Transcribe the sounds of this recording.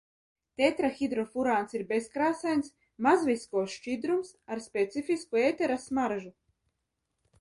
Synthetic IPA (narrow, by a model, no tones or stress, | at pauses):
t̪et̪ɾaxʲid̪ɾɔfuɾaːnsiɾbeskɾaːsajns | mazviskɔːsʃt͡ʃid̪ɾumsaɾspʲet̪sifiskueːt̪ɛɾasmaɾʒu